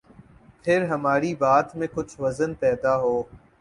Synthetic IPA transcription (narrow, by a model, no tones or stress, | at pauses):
pʰɪɾɦəmaːɾiːbaːt̪mẽkʊt͡ʃʰʋəzənpɛːd̪aːɦoː